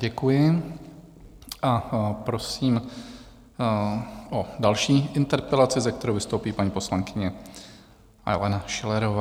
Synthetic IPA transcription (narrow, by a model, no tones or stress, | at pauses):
ɟɛkujɪ | ʔapɾo̞siːm | ʔodalʃiːʔɪnt̪ɛɾpɛlat͡sɪzɛk̚t̪ɛɾowvɪst̪owpiːpaɲiːpo̞slaŋkɪɲɛ | ʔa̰jlɛnaʃɪlɛɾovaː